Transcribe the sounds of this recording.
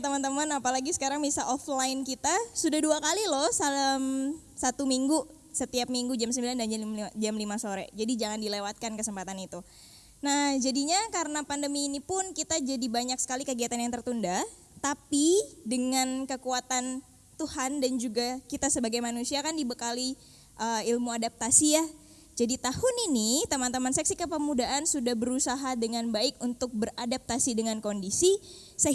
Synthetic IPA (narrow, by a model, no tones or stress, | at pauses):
t̪əmant̪əmanapalaɡisə̥kaɾaŋmisaʔɔflaɪnkit̪asudahduakalilɔsalam | sat̪umiŋɡu | sət̪iap̚miŋɡud͡ʒamsəmbilandand͡ʒald͡ʒamlimasoɾɛ̰d͡ʒadid͡ʒaŋandilewat̪̚kankəsəmpat̪anit̪u | nahd͡ʒadiɲakaɾənapandəmiːnipʊnkit̪ad͡ʒadibaɲak̚sə̥kalikəɡiat̪anjaŋt̪ərt̪unda | t̪apidəŋankəkuat̪an | t̪uhandand͡ʒuɡakit̪asəbaɡajmanusiakandibəkali | ʔəilmuadap̚t̪asija | d͡ʒadit̪ahʊninit̪amant̪əmansɛk̚sikəpəmudaʔansudahbəɾusaɦadəŋanbaɪkunt̪ʊk̚bəradap̚t̪asidəŋankondisi | sə